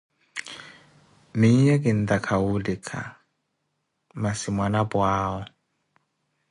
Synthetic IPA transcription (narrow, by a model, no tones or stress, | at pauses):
mɪjɛkʼɪn̩takʰaudɪkʰʼa̰ | masɪmwanabwaːɔ